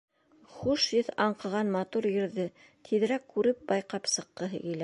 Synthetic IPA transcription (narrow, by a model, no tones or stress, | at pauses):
χuʃjɘθɑɴqɤ̆ʁɑnmɑt̪uɾjɘ̆ɾðɘ | t̪ʰið̆ɾækːʉɾɘp̚bɑjqɑpsɤ̆qːɤɦɘ̰ɡɘ̆læ